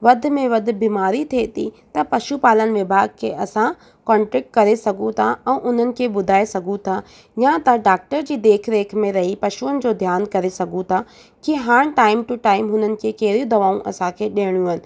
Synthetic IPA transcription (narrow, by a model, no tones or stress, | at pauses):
ʋɐd̪ʱɪ̆mẽʋɐd̪ʱɪ̆biːmaːɾit̪ʰeːt̪ʰḭt̪ɐpɐʃupaːlənɪ̆ʋɪbʱaːɡ̚kʰeːʔɐsã | kɔːɳʈɾɛk̚ʈ̚kɐɾesɐɡʱũt̪ʰaɛ̃ːʔʊn̤ənɪ̆kʰeːɓʊd̪ʱaːesɐɡʱũt̪ʰa | jãt̪ɐɖaːk̚ʈəɾd͡ʑiːd̪eːkʰɾeːkʰmẽɾɐɦipɐʃuənɪ̆d͡ʑoːd̪ʱjaːnkɐɾesɐɡʱũt̪ʰa | kiɦaːɽ̃ʈaːɪmʈuʈaːɪmɦʊn̤ənɪ̆kʰeːkeːɾiũd̪ɐʋaːũʔɐsãkʰeːɗeːɽ̃jũəɪnɪ̆